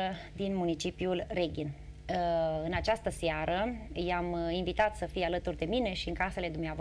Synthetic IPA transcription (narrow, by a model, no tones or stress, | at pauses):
əd̪inmunit͡ʃipjulreɡʲin | ɨnat͡ʃast̪əseaɾʔəjaminvit̪at̪səfijalət̪urd̪e̞mine̞ʃiɨŋkase̞le̞d̪umneav